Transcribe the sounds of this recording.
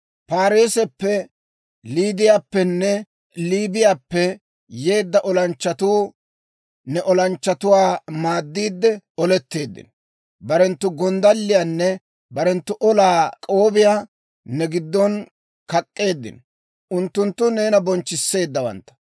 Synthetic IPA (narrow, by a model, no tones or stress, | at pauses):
paːɾeːsɛpːɛ | liːd̪ɪjaːpːɛnːɛ | liːbɪjaːpːɛ | je̞ːd̪ːɐʔɔlɐnt͡ʃːɐt̪uː | nɛʔɔlɐnt͡ʃːɐt̪ʊwaːmaːd̪ːiːd̪ːɛɔlɛt̪ːe̞ːd̪ːɪ̰nɔ | bɐɾɛnt̪ːʊɡɔnd̪ɐlːɪjanːɛ | bɐɾɛnt̪ːʊʔɔlaːkʼo̞ːbɪjaː | nɛɡɪd̪ːɔn | kɐkʼːe̞ːd̪ːɪ̰nɔ | ʔʊnt̪ːʊnt̪ːʊne̞ːnɐbɔnt͡ʃːɪsːe̞ːd̪ːɐwɐ̰nt̪ːɐ̥